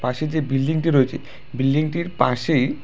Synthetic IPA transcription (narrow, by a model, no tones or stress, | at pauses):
pãʃed͡ʑebilɖiŋʈiɾoet͡ɕʰe | bilɖiŋʈiɾpaʃej